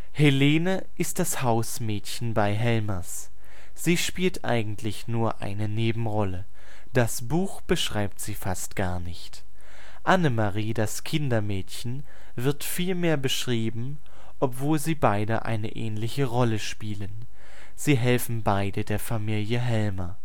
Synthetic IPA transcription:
heleːnə | ʔɪst̚d̥ashaʊsmɛːtçn̩baɪɦɛlmɐs | z̥iːʃpiːltʔa̰ɪɡŋ̩tʰlɪçnuːɐʔa̰ɪnəneːbm̩ʁɔlə | d̥asb̥uːxb̥əʃʁ̥aɪp̚tz̥iːfastɡ̥a̰ːɐnɪçt | ʔanəmaʁiːdaskʰɪndɐmɛːtçn̩ | vɪɐtfiːlmeːɐbəʃʁ̥iːbm̩ | ʔɔpv̥oːlziːbaɪdə̰ʔa̰ɪnə̰ʔɛ̰ːnlɪçəʁɔləʃpiːlən | z̥iːɦɛlfn̩baɪdədeːɐfamiːljəɦɛlmɐ

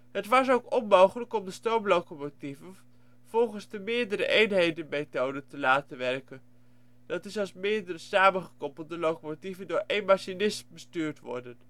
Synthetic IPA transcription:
ɦətʋɑs̬owkɔnmowχələkɔmdəstɔɹmlowkomotivən | v̥ɔlˠχənzdəmɪːɹdəɾə̰ʔejnɦejdənmetowdəntəlaːtənʋɛrkən | d̥ɑtɪsɑlˠsmɪːɹdərəsaːmənχəkɔpəl̩ˠdəlowkomotivəndʊːɹʔejnmaʃinɪsbəstyːɹtʋɔ̰ɹdən

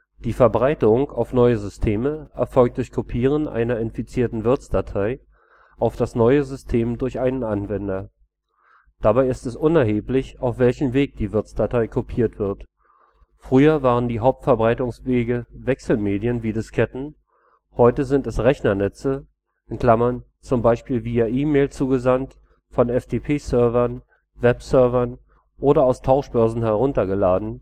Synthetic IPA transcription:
d̥iːfɛɐbʁaɪtʊŋaʊfnɔʏəzʏstʰeːməʔɛɐfɔlk̚t̚d̥ʊɐçkʰopʰiːʁ̞ənʔa̰ɪnɐɪnfit͡siːɐtn̩vɪɐt͡sd̥atʰaɪ | ʔaʊfd̥asnɔʏəzʏstʰeːmdʊɐçʔaɪnənanvɛndɐ | d̥abaɪɪstɛsʔʊnɛɐɦeːplɪçaʊfv̥ɛlçəm̩veːk̚d̥iːvɪɐt͡sd̥atʰaɪkʰopʰiːɐtv̥ɪɐt | fʁ̥yːɐvaːʁəndiːɦaʊp̚tfɛɐbʁaɪtʊŋsv̥eːɡəvɛksl̩meːdijənviːdɪskʰɛtn̩ | hɔʏtəzɪntɛsʁɛçnɐnɛt͡sə | ʔɪnkl̥amɐn | t͡sʊmbaɪʃpiːlviːaʔiːmeːlt͡suːɡəzant | fɔnɛfd̥eːpʰeːsœɐvɐn | vɛpsœɐvɐn | ʔoːɾɐaʊstʰaʊʃb̥œɐzn̩hɛɐʁ̞ʊntɐɡəlaːdn̩

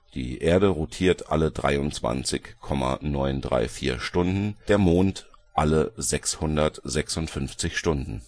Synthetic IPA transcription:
d̥ḭːʔeːɐɾəʁutʰiːɐtʔa̰lədʁa̰ɪʊnt͡sv̥a̰nt͡sɪçkʰɔma̰nɔʏndʁa̰ɪfiːɐʃtʊndn̩d̥eːɐmoːnt | ʔaləzɛkshʊndɐtz̥ɛksʊntfʏnft͡sɪçʃtʊndn̩

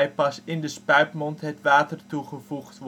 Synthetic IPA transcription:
jpɑsɪndəspœɥpmɔntɦətʋaːtərtuχəvuχtʋ

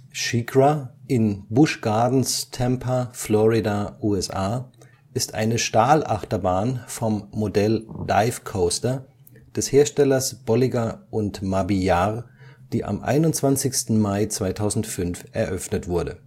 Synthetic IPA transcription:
ʃiɡʁaʔɪnbʊʃɡ̥aɐdn̩stʰɛmpʰaflɔʁidaʔuːɛsʔaː | ʔɪstʔa̰ɪnəʃtaːlʔaχtɐbaːnfɔmːodɛlːa̰ɪfkʰoʊstɐ | d̥ɛsheːɐʃtɛlɐsb̥ɔliɡaʔʊntmabijaʁd̥iːʔa̰mʔa̰ɪnʊntt͡sv̥ant͡sɪçstn̩maɪt͡sv̥aɪtʰaʊzn̩tfʏnfʔɛɐʔœfnətv̥ʊɐdə̰

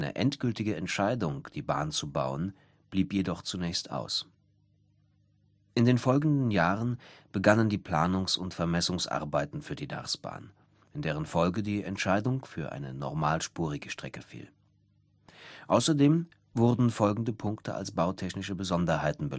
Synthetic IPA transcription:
nə̰ʔɛntɡ̥ʏltɪɡəɛntʃaɪdʊŋd̥iːba̰ːnt͡subaʊən | b̥liːpjedɔχt͡sunɛːçstʔa̰ʊs | ʔɪndeːnfɔlɡŋn̩dn̩jaːʁənb̥əɡanəndiːpʰl̥aːnʊŋsʊntfɛɐmɛsʊŋsʔa̰ɐbaɪtn̩fyːɐdiːda̰ʁsb̥a̰ːn | ʔɪndeːʁ̞ənfɔlɡədiːɛntʃaɪdʊŋfyːɐʔa̰ɪnənɔ̰ʁmaːlʃpuːʁ̞ɪɡəʃtʁ̥ɛkəfḭːl | ʔaʊsɐdeːm | vʊʁdn̩fɔlɡŋ̩dəpʰʊŋktʰəa̰lsb̥aʊtʰɛçnɪʃəbəzɔndɐhaɪtn̩bə

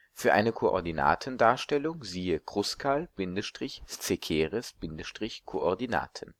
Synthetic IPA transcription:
fyːɐʔa̰ɪnəkʰoʔɔ̰ɐdina̰ːtʰən̩daːɐʃtɛlʊŋziːəkʁ̥ʊskʰalb̥ɪndəʃtʁ̥ɪçst͡sekʰeːʁɛsb̥ɪndəʃtʁ̥ɪçkʰoʔɔɐdina̰ːtʰən

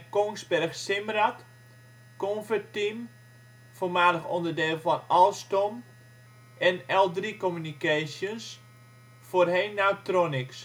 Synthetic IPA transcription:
koŋsbɛrxsɪmrat | konfətim | folˠmaːdəxɔndərdeːlˠfɔnɔlˠstom | ʔɛnɛlˠdrikomynikaːsjəns | forheːnːatronɪks

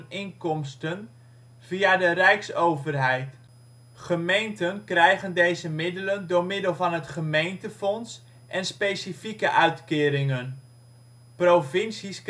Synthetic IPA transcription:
nɪŋkɔmstən | v̥iadərɛjksowvərɦɛjt | χəmejntənkrɛjχəndejzəmɪdələndʊːɹmɪdəlˠvɑnɦətχəmejntəfɔns | ʔɛnspejsifikəʔœɥtkɪːɾɪŋən | prowfɪnsisk

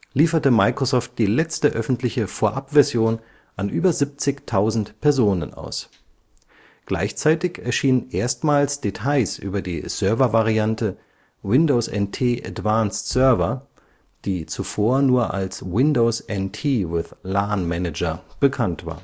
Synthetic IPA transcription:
liːfɐtəmaɪkʁ̥osɔːft̚d̥iːlɛt͡stəʔœfn̩tlɪçəfoːɐʔapv̥ɛɐzjoːn | ʔanʔyːbɐzip̚t͡sɪçtʰaʊzn̩tpʰɛɐzoːnə̰nʔa̰ʊs | ɡ̥la̰ɪçt͡saɪtɪçɛɐʃiːnənʔeːɐstmaːlsd̥etʰaɪsʔy̰ːbɐdḭːzœɐvɐvaʁiantə | wɪndosɛ̰ntʰeːʔa̰tvaːnstsœɐvɐ | d̥iːt͡sufoːɐnuːɐʔa̰lswɪndoʊsʔɛntʰiːwɪðlanmɛnɪd͡ʒɐb̥əkʰantv̥a̰ːɐ

